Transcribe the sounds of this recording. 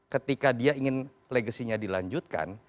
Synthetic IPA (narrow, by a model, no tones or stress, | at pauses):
kət̪ikadiaiŋɪn | leɡəsiɲadilaɲd͡ʒut̪̚ka̰n